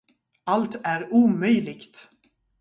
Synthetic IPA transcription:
alt̪æɾuːmœjlɪɡt̪

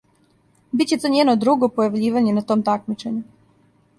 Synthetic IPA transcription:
bit̪t͡ɕe̞t̪o̞ɲenod̪ɾuɡopojaʋʎiːʋaɲenat̪o̞ːmt̪akmit͡ʃe̞ɲu

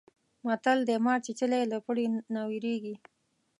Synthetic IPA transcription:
mat̪ald̪əmɑɾt͡ʃit͡ʃəleləpəɽinawiɾeɡi

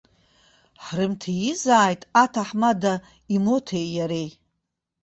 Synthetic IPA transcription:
ħrɨmtʰijizaːjtʼatʰaħmada | imo̞tʰejjaɾej

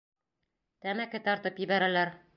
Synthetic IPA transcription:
t̪æmækɘt̪ɒɾt̪ɤpjɘ̆bæɾælæɾ

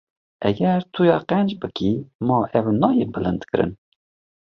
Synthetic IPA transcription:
ʔɛɡɛɾt̪ʰujɑːqɛnd͡ʒbɨkʰimɑːʔɛwnɑːjebɨlɨnd̪kɨɾɨ̰n

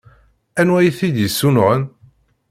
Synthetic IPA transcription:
ænwæjθid̪jəsːunʁən

